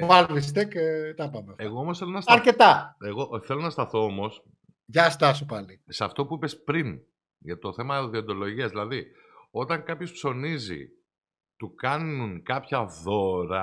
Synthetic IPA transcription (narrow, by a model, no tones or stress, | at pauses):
vɐlvist̪ekt̪ɐpɐmefeɣoomosθe̞lo̞nɐsɐɾket̪ɐeɣo̞ʔθe̞lo̞nɐst̪ɐθo̞omo̞s | ʝɐst̪ɐsupɐlisɐft̪o̞puipe̞spɾin | ʝɐt̪oθe̞mɐoðio̞nd̪o̞lo̞ʝiɐzðilɐði | o̞t̪ɐŋkɐpçospso̞nizḭ | t̪ukɐnuŋkɐpçɐðo̞ɾɐ